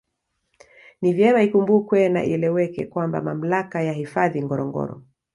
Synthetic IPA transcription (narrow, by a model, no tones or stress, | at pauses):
nivjɛmaikumbukwɛna̰ʔḭɛlɛwɛkɛkwamba̰mam̩lakajahifaðiŋɡɔɾɔŋɡɔ̰ɾɔ̰